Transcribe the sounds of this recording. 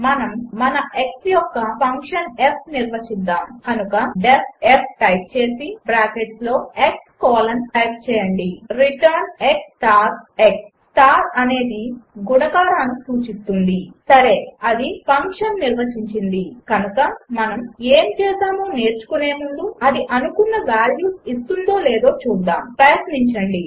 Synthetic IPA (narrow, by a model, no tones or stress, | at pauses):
mɐnɐmːɐnɐʔeksjɔkːɐpʰɐŋkʂɐnep̚niɾʋɐt͡ʃid̪ːaːmkɐnukɐɖepep̚ʈɐjp̚t͡ʃe̞ːsibɾaːkeʈslo̞ːekskɔːlɐnʈɐjp̚t͡ʃɛːjɐɳɖiɾiʈɐɾneksʈaːɾeks | ʈaːɾɐne̞ːd̪iɡuɽɐɡaːɾaːnːisuːt͡ʃist̪und̪isɐɾe̞ːɐd̪ipɐŋkʂɐnːiɾʋɐt͡ʃiɲt͡ʃind̪ikɐnukɐmɐnɐme̞ːmt͡ʃɛːsaːmoːne̞ːɾt͡ʃu̥kune̞ːmund̪uɐd̪iʔɐnukunːɐʋaːljuːsist̪und̪o̞ːleːd̪o̞ːt͡ʃuːd̪aːmpɾɐjɐt̪niɲt͡ʃɐɳɖi